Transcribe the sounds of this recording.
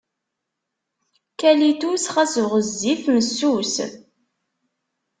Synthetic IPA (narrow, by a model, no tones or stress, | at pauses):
kælit̪usχæsʁəzːiθməsːus